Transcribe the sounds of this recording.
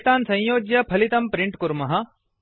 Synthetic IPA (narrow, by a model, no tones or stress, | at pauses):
t̪aːnsɐ̃j̃joːɡjɐpʰɐlit̪ɐmpɾiɳʈkuɾmɐɦɐ̆